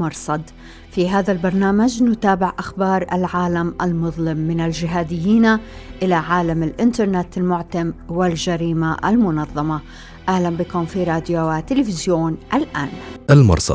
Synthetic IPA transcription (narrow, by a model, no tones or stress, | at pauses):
mɑɾˤsˤɑd̪ | fiɦaːðalbɑɾˤnaːmad͡ʒnʊt̪aːbɪʕʔaxbɑːɾˤʔa̰lʕaːlamalmʊðˤlɪmːɪnald͡ʒɪɦaːd̪ɪjːiːnaʔɪlaʕaːlamɪlʔɪnt̪ɑɾˤnet̪ɪlmʊʕt̪amwɪld͡ʒaɾiːmaʔa̰lmʊnɑðˤːɑma | ʔahlambɪkʊmfiɾˤɑːd̪joat̪ɪlɪfɪzjoːnʔalʔaːnalmɑ̰ɾˤsˤɑ̰d̪